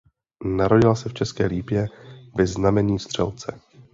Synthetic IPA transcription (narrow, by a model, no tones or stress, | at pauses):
naɾo̞ɟɪlasɛft͡ʃɛskɛːliːpjɛvɪznamɛɲiːst̪r̝̥ɛlt͡sɛ